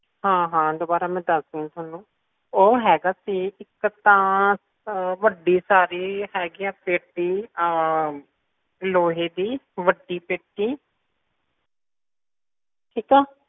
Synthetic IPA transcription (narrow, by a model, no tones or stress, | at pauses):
ɦãːɦãːd̪oːbaːɾaːmɛ̃ːd̪əsd̪ĩãːt̪ʰaːnũː | oːɦɛːɡaːsiːɪkt̪ãː | ʋəɖiːsaːɾiːɦɛːɡiãːpeːʈiː | loːɦeːd̪iːʋəɖiːpeːʈːiː | ʈʰiːkaː